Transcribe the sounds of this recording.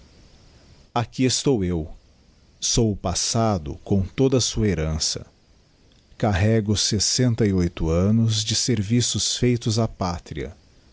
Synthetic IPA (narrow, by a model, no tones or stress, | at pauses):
akiest̪owew | sowʊpasad̪ʊ̰kõw̃t̪od̪ɐsuɐeɾɐ̃sɐ̰ | kaɦɛɡʊsesẽnt̪ɐiojt̪ʊɐ̃nʊzd͡ʒɪseɾvisʊsfejt̪ʊzapat̪ɾiɐ̰